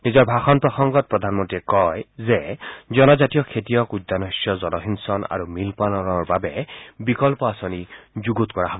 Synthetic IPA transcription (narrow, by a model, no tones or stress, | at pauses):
nizɔɹbʱaxɔnpɹɔxɔŋɡɔt̚pɹɔdʱanmɔntiɛkɔjzɛzɔnɔzatijɔkʰetijɔkud̪ːanɔsjɔzɔlɔɦinsɔna̰ɹumilpanɔnɔɹbabɛbikɔlpɔasɔnizuɡutkɔɹaɦɔb